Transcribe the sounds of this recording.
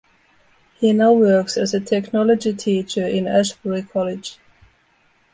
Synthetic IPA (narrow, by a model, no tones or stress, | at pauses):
hinaʊwɜ˞ksɨzətʰɛknɔləd͡ʒitʰit͡ʃə˞ʔɪ̃næʃbəɹikʰɔlɪd̥d͡ʒ̥